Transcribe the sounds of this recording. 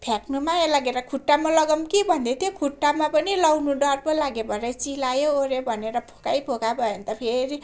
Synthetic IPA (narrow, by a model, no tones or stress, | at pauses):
pʰjaknumaelaɡeɾʌkʰuʈːamalʌɡʌmkibʱʌnd̪et̪jokʰuʈːamapʌnilʌwnuɖʌrpolaɡebʱʌɾʌt͡silajooɾebʱʌneɾʌpʰo̥kajpʰokabʱʌjʌnt̪ʌpʰeɾi